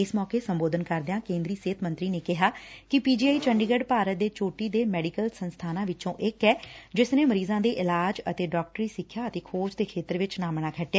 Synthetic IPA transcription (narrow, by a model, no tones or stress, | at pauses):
ɪsmɔːkeːsəmboːd̪ənkəɾd̪ɪjãːkẽːnd̪ɾiːseːt̪ʰmə̃nt̪ɾiːneːkɪɦaːkɪpiːd͡ʒiːaːiːt͡ʃəɳɖiːɡəɖpaːɾət̪̚d̪eːt͡ʃoːʈiːd̪eːmɛːɖikəlsənst̪ʰaːnãːʋɪt͡ʃõːʔɪkɛːd͡ʒɪsneːməɾiːzãːd̪eːʔɪlaːd͡ʒət̪eːɖɔːk̚ʈɾiːsɪkʰjaːət̪eːkʰoːd͡ʒd̪eːkʰeːt̪əɾʋɪt͡ʃnaːməɽaːkʰəʈːeaː